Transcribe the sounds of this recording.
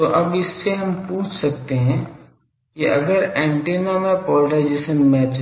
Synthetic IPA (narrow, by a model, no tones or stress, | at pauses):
t̪oʔɐbɪsːeɦɐmpuːt͡ʃʰsɐk̚t̪eɦɛ̃ | kiʔɐɡəɾɛ̃ːɳʈeːnamẽpɔːʈad͡ʒɪsənmɛːt͡ʃ